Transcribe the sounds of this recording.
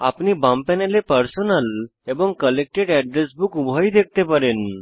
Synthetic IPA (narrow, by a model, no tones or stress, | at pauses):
apnibãmpɛnelepəɾsonəlebɔŋkəlek̚ʈeɖɛɖɾesbukubʱəjd̪ek̚ʰt̪epəɾen